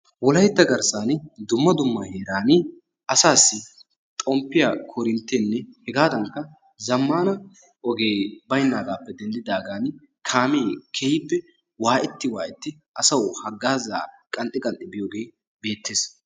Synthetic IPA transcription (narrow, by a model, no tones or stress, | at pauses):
wɔlɐjt̪ːɐɡɐɾsaːnd̪ʊmːɐd̪ʊmːɐheːɾaːnɪ | ʔɐsaːsːɪ | t̪ʼɔmpːɪjakʰɔɾɪnt̪ːeːnːɛhɛɡaːd̪ɐŋkːɐ | zɐmːaːnɐ | ʔɔɡeːbɐjnːaːɡaːpːɛd̪ɛnd̪ɪd̪aːɡaːn | kʰaːmeːkʰɛhɪpːɛ | waːʔɛt̪ːɪwaːʔɛt̪ːɪ | ʔɐsɐwhɐɡːaːza̰ːkʼɐnt̪ʼːɪkʼɐnt̪ʼɪbɪjoːɡe̞ː | be̞ːt̪ːeːs